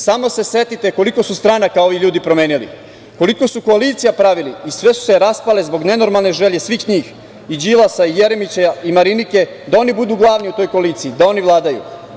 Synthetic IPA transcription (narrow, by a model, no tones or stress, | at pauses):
samo̞se̞se̞t̪it̪e̞ko̞liko̞sust̪ɾaːnakao̞ʋiʎuːd̪ipɾo̞meːnilḭ | ko̞liko̞suko̞alit̪sijapɾaʋiliisʋe̞su̥seɾaspalezbo̞ɡne̞no̞ɾmalˠneʒeʎe̞sʋiːxɲiːx | id͡ʑilˠasaijeɾe̞mit͡ɕeimaɾinike̞ | d̪ao̞nibud̪uːɡlˠaːʋniut̪o̞jko̞alit̪siːd̪ao̞niʋlˠaːd̪ajṵ